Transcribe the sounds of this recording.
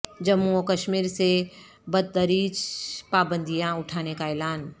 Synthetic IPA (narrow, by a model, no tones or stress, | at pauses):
d͡ʒɐmuokəʃmiːɾse | bəd̪̚d̪əɾiːt͡ʃpaːbə̃nd̪ʱijãʊʈʰaːnekaɛːlaːn